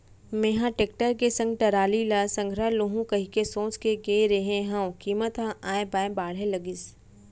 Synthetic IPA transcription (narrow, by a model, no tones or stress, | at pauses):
meɦãʈeːk̚ʈəɾkesɐ̃ŋɡ̚ʈɐɾaːlilasɐ̃ŋɡʱɾaloɦũkɐɦikesõːt͡ʃkeɡeɾeɦẽɦɐ̃kiːmət̪ɦãʔaːẽbaːẽbaːɽ̤ɦẽləɡɪs